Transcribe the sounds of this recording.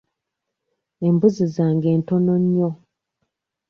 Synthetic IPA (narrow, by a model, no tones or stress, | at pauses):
embuzizaːŋɡe̞ːntonoɲːo